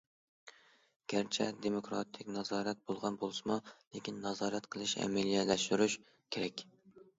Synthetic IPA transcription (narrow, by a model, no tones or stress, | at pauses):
ɡ̥ʲæɾt͡ʃʰɛd̪emokɾɑ̰t̪ʰɪkʲnɑzɑːɾɛt̪̚bolˠʁɑnbolˠsɨmulekʲinːɑzɑːɾɛt̪qʰəlˠɨʃɛ̰mɛlijɛlɛʃt̪yɾyʃ | kʲʰeɾɛkʲ